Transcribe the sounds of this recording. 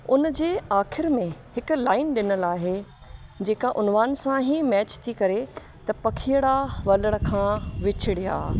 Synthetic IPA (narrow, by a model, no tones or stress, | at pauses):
ʊnd͡ʑeːaːxʰɪɾmẽhɪkʊ̆laːɪnɗɪnəlaːɦe | d͡ʑeːkaʔʊnʋaːnsãɦimɛːt͡ɕt̪ʰikɐɾe | t̪ɐpɐkʰijəɽaʋɐləɽ̃̆kʰãːʋɪt͡ɕʰɪɽia̰ː